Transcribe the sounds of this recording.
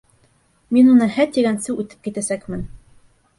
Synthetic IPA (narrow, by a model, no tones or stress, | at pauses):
minunɤhæt̪iɡænsɘwʉt̪ɘ̥p̚kit̪æsækmɘn